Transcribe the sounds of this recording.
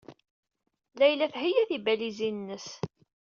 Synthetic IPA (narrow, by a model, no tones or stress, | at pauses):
læjlæθɦijæθibælizinnːəs